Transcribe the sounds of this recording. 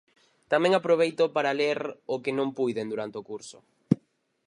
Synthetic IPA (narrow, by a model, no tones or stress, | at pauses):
t̪amɛ̃ŋapɾoβ̞ejt̪opaɾaleɾʊkɪnõmpujðend̪uɾant̪eokuɾsʊ̰